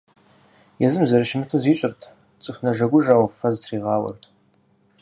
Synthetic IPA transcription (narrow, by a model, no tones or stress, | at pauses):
jɛzɨmzɐɾɨʃɪmɨtʰuziːɕʼɪrtʰ | t͡sʼɨxʷnɐʒɐɡʷʊʒaːwfɐztʰriːʁɑːwɐ̰rtʰ